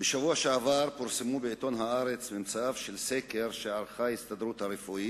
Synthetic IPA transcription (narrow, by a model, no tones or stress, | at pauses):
beʃavuaʃeavaɾpuɾsemubeit̪o̞nɦaaɾet͡smimt͡saavʃelseke̞ɾʃeʕaʁχahist̪ad̪ɾut̪haɾefuit